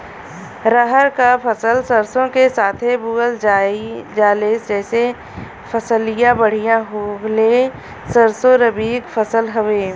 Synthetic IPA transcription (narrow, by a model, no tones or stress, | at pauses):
ɾəɦəɾkapʰəsəlsəɾsõkesaːt̪ʰebuːɡəld͡ʒad͡ʒaːleːsd͡ʒɛːse | pʰəsəlɪjãbəɽ̤ijãɦole | səɾsõɾəbiːɡfʰəsəlɦəʋeː